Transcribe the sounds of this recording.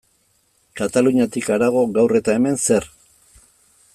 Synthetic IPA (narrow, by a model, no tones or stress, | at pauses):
kat̪aluɲat̪ikaɾaɣ̞o̞ɣawre̞t̪ae̞me̞nse̞r